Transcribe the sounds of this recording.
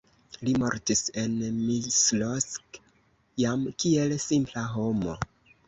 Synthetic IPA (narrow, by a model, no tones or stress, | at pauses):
limo̞̰ɾtise̞nmislosk | jamkie̞lsimplaɦo̞mo̞